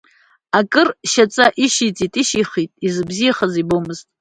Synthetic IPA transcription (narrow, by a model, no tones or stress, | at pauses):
akʼɨrʃat͡sʼaʔiʃit͡sʼitʼiʃiχitʼizɨbzijaχazibomɨztʼ